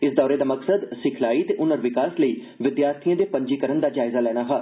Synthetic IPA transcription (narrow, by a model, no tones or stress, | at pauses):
ɪsd̪ɔːɾeːd̪aːməksəd̪sɪkʰlaːiːt̪eːʔʊnəɾʋɪkaːsləiː | ʋɪd̪jaːɾt̪ʰiãːd̪eːpəɲd͡ʒiːkəɾənd̪aːd͡ʒaːɪzaːlɛːɽ̃aːɦaː